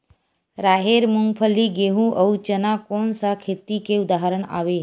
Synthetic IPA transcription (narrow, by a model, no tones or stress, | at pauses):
ɾaːɦeːɾmʊŋɡpʰəlːiɡeɦũʔəut͡ʃənakoːnsakʰet̪ikeʊd̪aɦəɾəɳa̰ːʋe